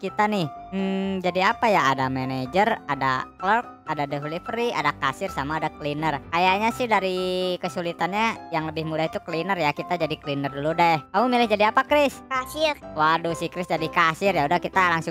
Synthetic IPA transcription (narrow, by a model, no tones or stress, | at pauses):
kit̪anɪhm̩d͡ʒadiapajaːdamened͡ʒərada̰klək̚adadɛɦulifɾia̰dakasɪrsamaːdaklinərkajaɲasɪhdaɾikəsulit̪anɲajaŋləbɪhmudait̪uklinərjakit̪ad͡ʒadiklinərduludakaumilɪhd͡ʒadiapakɾɪskasɪrwadusɪhkɾɪsd͡ʒadikasɪrjaudahkit̪alaŋsʊ